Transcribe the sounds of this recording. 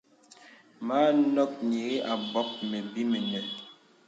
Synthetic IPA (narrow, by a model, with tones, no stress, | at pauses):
ma˦nɔ˦k̚ɲe˨ɣe˦ʔa˨bɔ˦p̚me˨bi˦me˨nɛ˨